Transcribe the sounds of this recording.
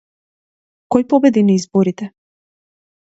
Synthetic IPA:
kɔjpɔbɛd̪iniizbɔɾit̪ɛ

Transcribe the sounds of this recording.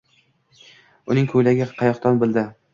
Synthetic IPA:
ʊnɪŋkʰɵjlaɡʲɪqʰɑjɒqt̪ɒnbɪld̪ɪ

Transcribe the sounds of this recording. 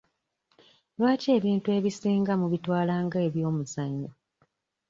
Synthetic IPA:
lwaːce̞ːβiːntue̞ːβisiːŋɡamuβitwaːlaːŋɡaeβjo̞ːmuzaɲːo

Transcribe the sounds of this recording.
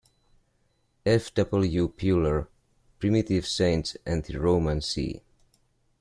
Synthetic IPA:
ɛfd̥ʌbəl̩ˠjupʰjuləɹ | pɹimitiv̥sẽɪ̃ntsɨ̃nðɨɹoʊmə̃nsḭ

